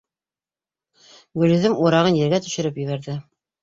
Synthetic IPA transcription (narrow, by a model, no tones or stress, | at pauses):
ɡɵ̆lɵ̆ðɘmuɾɑʁɤnjɘ̆ɾɡæt̪ɵ̆ʃɘ̆ɾɘpjɵ̆βæɾðɘ